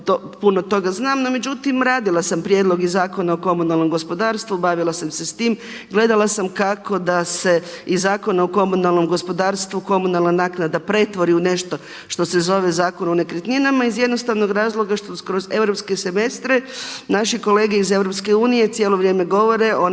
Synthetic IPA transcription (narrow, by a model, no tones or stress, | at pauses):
t̪o | puno̞t̪o̞ɡaznaːmnome̞d͡ʑut̪imɾaːd̪ilˠasampɾjed̪lˠo̞ɡizːaːko̞naoko̞munalno̞mɡo̞spod̪aːɾst̪ʋubaʋilˠasamse̞st̪iːm | ɡle̞d̪alˠasamkako̞d̪ase̞izːaːko̞naoko̞munalˠno̞mɡo̞spo̞d̪aːɾst̪ʋuko̞munalˠnanaːknad̪apɾe̞t̪ʋo̞ɾiune̞ʃt̪o̞ | ʃt̪o̞se̞zo̞ʋezaːko̞none̞kɾit̪ɲinamaizje̞d̪no̞st̪aʋno̞ɡɾaːzlˠo̞ɡaʃt̪okɾo̞ze̞ʋɾopskese̞me̞st̪ɾenaʃiko̞le̞ːɡeize̞ʋɾo̞pskeuːnije̞t̪sʲjelˠo̞ʋɾjeːme̞ɡo̞ʋo̞ɾeʔo